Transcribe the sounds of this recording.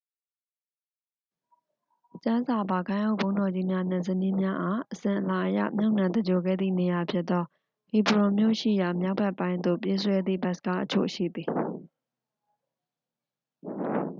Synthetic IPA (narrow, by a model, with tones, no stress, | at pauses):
t͡ɕã˦za˨ba˨ɡã˦ɪ̃ʔo˦˨bõ˦ʊ̃ndɔ˨d͡ʑi˦mja˦nɪ̃˨zə˨nĩ˦mja˦ʔa˦˨ʔəsɪ̃˨ʔəla˨ʔəja̰˦˨mjo˦ʊʔnã˨d̪ə˨d͡ʑo˨ɡɛ̰˦˨d̪ðḭ˦˨ne˨ja˨pʰjɪ˦t̪̚t̪ːɔ˦ | hi˨bɹʊ̃˨mjo̰˦˨ʃḭ˦˨ja˨mja˦ʊbɛ˦ʔpːã˦ɪ̃nd̪o̰˦˨pje˦sʰwɛ˦d̪ðḭ˦˨bɛ˦ʔsə̥ka̰˦˨ʔət͡ɕʰo̰˦˨ʃḭ˦˨d̪ði˨